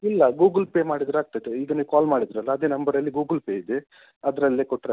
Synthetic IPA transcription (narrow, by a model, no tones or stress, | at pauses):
ilːɐɡuːɡɐlpeːmaːɽid̪ɾuaːɡ̚t̪ɐt̪ːeid̪ɐnekaːlmaːɽid̪ɾɐlːɐːd̪enɐmbɐɾɐlːiɡuːɡəlpeːid̪e | ɐd̪ɾɐlːikɔʈːɾe